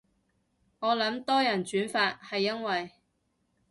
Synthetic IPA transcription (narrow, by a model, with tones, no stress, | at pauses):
ŋɔː˨˧lɐ˨˥mt̪ɔː˥jɐ˨˩nt͡ʃyː˨˥nfaː˧t̚hɐ˨jːɐ˥nwɐ˨j